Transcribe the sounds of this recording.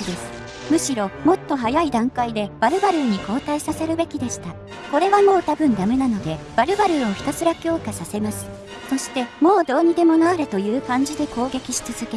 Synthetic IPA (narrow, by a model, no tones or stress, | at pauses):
d̪e̞sɨ̥ | mɯ̟ɕiɾo̞mo̞t̪ːo̞ɦajaid̪ãŋkaid̪e̞b̥aɾɯ̟baɾɯ̟ɲ̟iko̞ːt̪aisase̞ɾɯ̟be̞kʲid̪e̞ɕi̥t̪a | ko̞ɾe̞βamo̞ːt̪abɯ̟̃nd̪ame̞nano̞d̪e̞b̥aɾɯ̟baɾɯ̟oçi̥t̪asɨɾakʲo̞ːkasase̞masɨ̥ | so̞ɕi̥t̪e̞mo̞ːd̪o̞ːɲ̟id̪e̞mo̞naːɾɯ̟t̪o̞jɯ̟ːkãɲ̟d͡ʑid̪e̞ko̞ːɡe̞kʲiɕi̥t͡sɨzɨke